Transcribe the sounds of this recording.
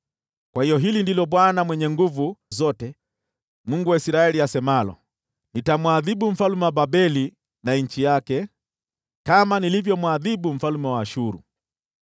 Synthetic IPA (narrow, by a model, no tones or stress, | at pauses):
kwahijɔɦilindilɔɓwanamwɛɲɛŋɡuvuzɔtɛ | muŋɡuwaisɾaɛliasɛmalɔ̰ | nitamwaðibum̩falmɛwababɛli | naɲ̩t͡ʃijakɛ | kamanilivjɔmwaðibum̩falmɛwaːʃuɾṵ